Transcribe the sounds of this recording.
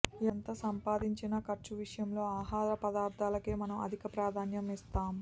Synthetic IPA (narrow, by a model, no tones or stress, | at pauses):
ent̪ɐsɐmpaːd̪iɲt͡ʃinɐkɐɾt͡ʃuʋiʂɐjɐmlo̞ːaːɦaːɾɐpɐd̪aːɾd̪ʱaːlɐkeːmɐnɐmɐ̰d̪ʱikɐpɾaːd̪ʱaːnjɐmist̪aːm